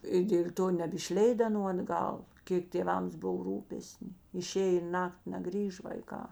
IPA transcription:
ɪ dʲeːlʲ ˈtoː nʲɛbʲɪʃʲˈlʲɛɪt ɐˈnuː ɐdˈɡɐlˠ ˈkʲeːk tʲeːˈʋɐms ˈbʊw ˈruːpʲɛsʲnʲɪ ɪˈʃʲeːj ɪ ˈnɑːktʲɪ nʲɛˈɡrʲiːʃ ʋɐɪˈkɑː

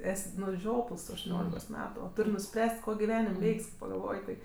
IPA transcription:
ˈɛsʲ nʊ ˈʒʲoːplˠs tʊ ɐʃtʊˈnʲoːlʲɪkoːs ˈmʲæːtʊ oː ˈtʊrʲ nʊˈsʲpʲrʲæːsʲtʲ ˈkoː ɡʲɪˈʋʲæːnʲɪmʲ ˈʋʲɛɪkʲsʲ kɐɪ pɐɡɐlˠˈʋoːj tɐɪ

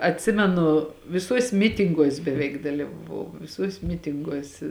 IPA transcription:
ɐtʲˈsʲɪmʲɛnʊ ʋʲɪˈsuɔsʲ ˈmʲɪtʲɪŋɡuɔsʲ bʲɛˈʋʲɛɪk dɐlʲiːʋɐˈʋɐʊ ˈʋʲɪsuɔsʲ ˈmʲɪtʲɪŋɡuɔs

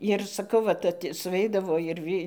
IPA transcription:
ɪr sɐˈkɐʊ ˈʋɐt ɐt sʊˈʋʲɛɪdɐʋoː ɪr ˈʋʲiː

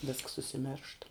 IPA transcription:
ʋʲeːsks ʊʃʲsʲɪˈmʲɛrʃt

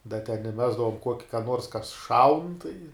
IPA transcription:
dɐ tʲɛn ɪˈmʲæːzdɐʋoːm ˈkuɔkʲɪ kɐ ˈnuɔrs kɐs ˈʃɐʊn tɐɪ

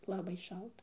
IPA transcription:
lˠɐˈbɐɪ ˈʃɐlˠtɐ

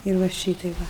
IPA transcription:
ɪr ˈʋɐ ˈʃʲiːtɐɪ ˈʋɐ

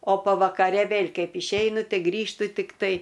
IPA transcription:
oː pɐʋɐkɐˈrʲɛ ˈʋʲeːlʲ ˈkɐɪp ɪʃʲˈɛɪnʊ ˈtɐɪ ˈɡrʲiːʃtʊ tʲɪkˈtɐɪ

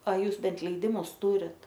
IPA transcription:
ɐ ˈjuːs ˈbʲɛnt lʲɛɪˈdʲɪmʊs ˈtuːrʲɪt

